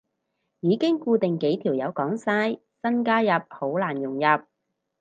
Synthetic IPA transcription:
jiː˨˧kɪ˥ŋkuː˧t̪ɪ˨ŋke˨˥jt̪ʰiː˨˩wjɐ˨˧wkɔː˨˥ŋsaː˥j | sɐ˥nkaː˥jɐ˨p̚ho˨˥wlaː˨˩njʊ˨˩ŋjɐ˨p̚

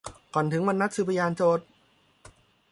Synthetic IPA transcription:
kɔː˨˩nt̪ʰɯ˩˦ŋwa˧nːa˦˥t̪̚sɯː˧˩pʰa˧jaː˧nt͡ɕoː˧˩t̪̚

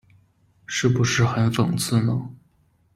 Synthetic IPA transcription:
ʂɻ̩˥˩pu˧˥ʂɻ̩˥˩xə˧˥nʈ͡ʂʊ̰˨˩ŋt͡sʰɹ̩˥˩nə˧˩

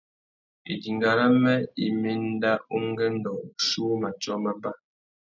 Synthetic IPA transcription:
ḭ˨di˨ŋɡa˨la˦mɛ˦i˦me˦n˦da˦u˦ŋ˦ɡɛ˦n̩˦dɔ˨ʃu˦ma˨t͡ʃɔ˦ma˦ba˦

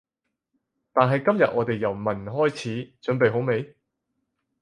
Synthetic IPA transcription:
t̪aː˨nɦɐ˨jkɐ˥mjɐ˨t̚ʔɔː˨˧t̪e˨jːɐ˨˩wmɐ˨˩nɦɔː˥jt͡sʰiː˨˥t͡ʃɵ˨˥npe˨jɦo˨˥wme˨˧j

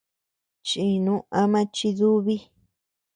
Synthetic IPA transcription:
t͡ʃĩ˧˨nũ˦˧ʔã˧mã˦t͡ʃi˧ðu˦βi˦

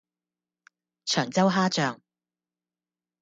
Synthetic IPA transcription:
t͡ʃʰœː˨˩ŋt͡sɐ˥wɦaː˥t͡ʃœː˨ŋ

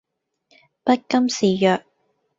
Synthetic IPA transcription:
pɐ˥t̚kɐ˥msiː˨jœː˨k̚

